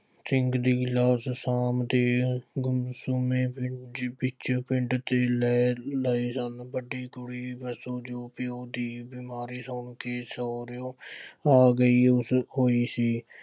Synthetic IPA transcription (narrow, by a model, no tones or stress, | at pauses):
t͡ʃɪŋɡd̪iːɡɪlaːssaːmt̪eːɡʊmsuːmẽːpɪpɪt͡ʃpɪ̃ɳʈt̪eːlɛːləeːsənbəɖiːkʊɽiːbəsoːd͡ʒoːpɪoːd̪iːbiːmaːɾiːsoːnkeːsoːɾjoːaːɡəiːʊsɦoːiːsiː